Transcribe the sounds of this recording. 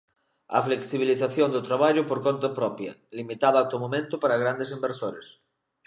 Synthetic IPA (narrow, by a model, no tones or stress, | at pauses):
ɐ̰fleksiβ̞iliθaθjond̪ot̪ɾaβ̞aʎʊpoɾkont̪apɾɔpjɐ̰limit̪aðat̪omomẽnt̪ʊpaɾaɣ̞ɾand̪es̬imbeɾsoɾḛs